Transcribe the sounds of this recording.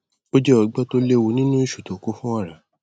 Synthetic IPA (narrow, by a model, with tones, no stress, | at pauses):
o˦d͡ʒɛ˦ɔ˧ɡ͡bɛ˦to˦le˦˧wo˧nĩ˦nũ˦i˦˨ʃu˨to˨ko˨˦fũ˦a˦˨ɾa˨